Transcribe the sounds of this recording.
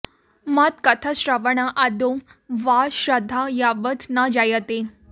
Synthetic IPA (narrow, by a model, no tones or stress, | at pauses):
mat̪kət̪ʰaɕɾaʋəɳaʔad̪oʋaɕɾəd̪ʱajaʋət̪nad͡ʑajət̪e